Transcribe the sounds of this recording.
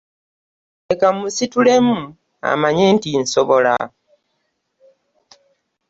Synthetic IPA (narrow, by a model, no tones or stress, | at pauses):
ekamusitule̞mu | a̰maɲentinsoβo̞la̰